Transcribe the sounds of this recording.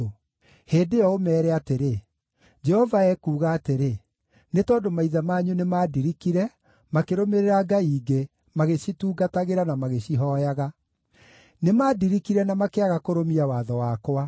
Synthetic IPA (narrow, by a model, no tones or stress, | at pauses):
heːdejɔomɛːɾɛateɾe | d͡ʒɛhɔvaɛkuːɣaːteɾe | netɔːdomaiðamaːɲunemaːdiɾikiɾɛ | makeɾomeɾeɾaɡaiːɡe | maɣeɕituːɡataɣeɾanamaɣeɕiɦɔjaɣa | nemaːdiɾikiɾɛnamakeaɣakoɾomiawaðɔwakwa